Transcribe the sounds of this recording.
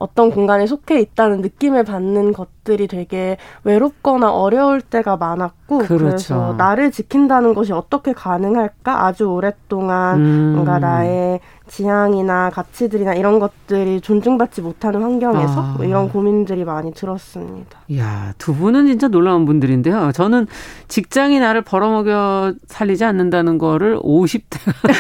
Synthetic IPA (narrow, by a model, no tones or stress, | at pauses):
ʌ̰t͈ʌnkoŋɡane̞sʰokʰe̞it̚t͈anɯnːɯk͈imeɭpanːɯnɡʌt̚t͈ɯɾitwe̞ɡe̞we̞ɾop̚k͈ʌnaʔʌɾjʌuɭt͈e̞ɡamanak̚k͈oɯkɯɾe̞sʰʌnaɾɯɭt͡ɕikʰindanɯnɡʌɕ̬iʌt͈ʌkʰe̞kanɯŋɦaɭk͈aʔad͡ʑuoɾe̞t͈oŋanmʌŋɡanae | t͡ɕijaŋinakat͡ɕʰidɯɾinaiɾʌnɡʌt̚t͈ɯɾit͡ɕond͡ʑuŋbat̚t͡ɕ͈imotʰanɯnɸwaŋɡjʌŋe̞sʰʌ̰iɾʌnkomindɯɾimaɲitɯɾʌs͈ɯmɲḭd̥ḁjatubunɯnt͡ɕint͡ɕ͈anoɭːaunbundɯɾinde̞jot͡ɕʌnɯnt͡ɕik̚t͡ɕ͈aŋinaɾɯɭpʌɾʌmʌɡjʌsʰaʎːid͡ʑianːɯndanɯnɡʌɾɯɭoɕʰip̚t͈e